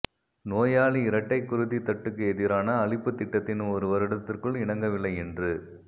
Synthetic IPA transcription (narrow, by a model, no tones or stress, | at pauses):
noːjaːɭiɪɾɐʈːɐɪkːʊɾɯðit̪ɐʈːɯkːɯɛðɪɾaːnɐːɭɪpːɯt̪ːɪʈːɐt̪ːɪnɯmɔɾɯʋɐɾɪɽɐt̪ːɪrkɯɭɪɳɐŋɡɐʋɪlːɐɪɛndrɯ